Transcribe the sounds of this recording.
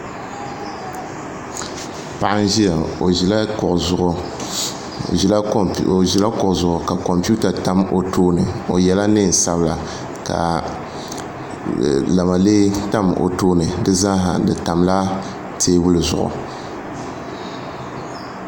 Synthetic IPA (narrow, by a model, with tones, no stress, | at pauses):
pa˨ʔa˦n˦ʒi˦ja˨o˨ʒi˨la˦kʊ˨ʔʊ˨ʊ˨ʔʊ˨ | la˦˨ʒi˨la˦kʊ˨ʊ˨zʊ˨ʔʊ˨ka˨ko˨mpu˦ta˨ta˦mo˨tʰoː˦nɨ˨o˨jɛ˨la˦nɨ˦˨sa˦bla˨ | ka̰˨ | la˨ma˨le˦ta˦mo̰˨toː˦nɨ˨dɨ˦za˦ɦa̰˨dɨ˨ta˨mla˦ | tʰeː˦wʊ˦lɨ˨zʊ̰˨ʔʊ̰˨